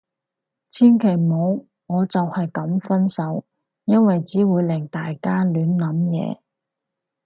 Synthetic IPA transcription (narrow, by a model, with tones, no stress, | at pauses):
t͡sʰiː˥nkʰe˨˩jmo˨˧w | ŋɔː˨˧t͡sɐ˨whɐ˨jkɐ˨˥mfɐ˥nsɐ˨˥w | jɐ˥nwɐ˨jt͡siː˨˥wuː˨˧jlɪ˨˩ŋt̪aː˨jkaː˥lyː˨˥nnɐ˨˥mjɛ̰ː˨˧